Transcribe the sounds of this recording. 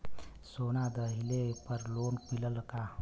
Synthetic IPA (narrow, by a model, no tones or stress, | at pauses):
sonad̪əɦilepəɾloːnpiləlka